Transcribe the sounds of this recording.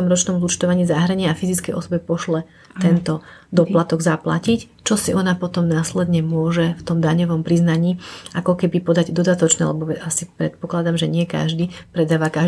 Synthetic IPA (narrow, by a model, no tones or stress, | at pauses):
ɔmɾɔt͡ʃnɔmzut͡ʃt̪ɔʋaɲiːzaɦɾɛɲɪɛafizit͡skɛjʔɔ̰sɔbɛpɔʃlɛ | ɛnt̪ɔd̪ɔplat̪ɔɡzapla̰cic | t͡ʃɔsiʔɔnapɔt̪ɔmnaːslɛd̪ɲɛmʊɔʒɛft̪ɔmd̪aɲɔʋɔmpɾiznaɲiːakɔkɛbipɔd̪aɟd̪ɔd̪at̪ɔt͡ʃnɛ̰ːlɛbɔʋɛʔasipɾɛt̪̚pɔklad̪amʒɛɲɪɛka̰ʒd̪iːpɾɛd̪aːʋaka